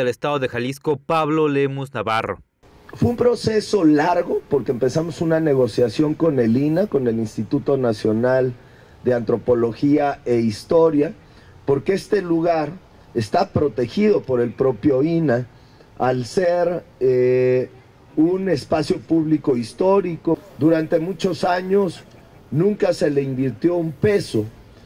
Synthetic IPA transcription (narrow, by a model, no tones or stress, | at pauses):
elest̪aðoðexaliskopaβlolemoznaβaro̰ | fweumpɾo̞se̞so̞laɾɣo̞po̞ɾkeːmpe̞samo̞sunane̞ɣ̞o̞sjasjo̞ŋko̞ne̞linako̞ne̞linst̪it̪ut̪o̞nasjo̞nal | d̪e̞ant̪ɾo̞po̞lo̞xiaeist̪o̞ɾja | po̞ɾkee̞st̪e̞luɣaɾ | e̞st̪apɾo̞t̪e̞xiðo̞po̞ɾe̞lpɾo̞pjo̞ina | alseɾe | une̞spasjo̞puβliko̞ist̪o̞ɾiko̞d̪uɾant̪e̞mut͡ʃo̞saɲo̞s | nũŋkase̞le̞imbiɾt̪jo̞umpe̞so̞